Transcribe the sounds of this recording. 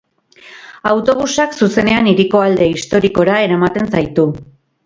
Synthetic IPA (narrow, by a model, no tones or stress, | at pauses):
awt̪o̞β̞usaksuse̞ne̞aniɾiko̞ald̪e̞ist̪o̞ɾiko̞ɾae̞ɾamat̪e̞nsajt̪u